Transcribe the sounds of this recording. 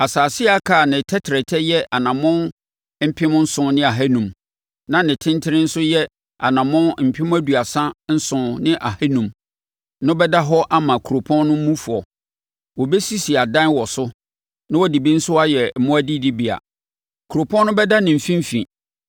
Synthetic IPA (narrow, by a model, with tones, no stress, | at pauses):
a˨saː˨sɪ˦a˦kʰaː˨nɪ̃˨tʰɛ˦tʰɾɛ˨tʰɛ˦jɛ˦ʔa˨nã˨mʊ̃˦n | m̩˦pʰɪ̃˦mʊ̃˦n̩˦sʊ̃˨nɪ̃˦a˨ɦæ˦nũ˨m | nã˨nɪ̃˨tʰɪ̃˦ntʰɪ˦ɾɪ̃˦n̩˦sʊ˦jɛ˦ | a˨nã˨mʊ̃˦nm̩˨pʰɪ̃˦m̃˦æ˦du˨a˨sã˦n̩˦sʊ̃˨nɪ̃˦ʔa˨hæ˦nũ˨m | nʊ̃˦bɛ˦da˦ɦɔ˦ʔa˦mã˨kʰu˨ɾo˨pʰɔ̃˦n˦nʊ̃˦m̩˦mũ˦fu˨ɔ˨ | wɔ˨bɛ˦si˦si˨a˨dã˦nwɔ˨sʊ˦ | nã˦wɔ˦di˨bi˦n̩˦sʊ˦a˦jɛ˨mʊ̃˦æ˦di˦di˦bi˨a̰˨ | kʰu˨ɾo˨pʰɔ̃˦nːʊ̃˦bɛ˦da˦nɪ̃˨m̩˨fĩ˦m̩˦fḭ̃˨